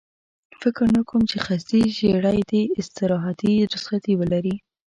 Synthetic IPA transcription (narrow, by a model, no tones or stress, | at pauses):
fɪkɾnakumt͡ʃexasiʒeɽajd̪eɪst̪ɪɾɑɦat̪iɾʊsxat̪iwəlaɾi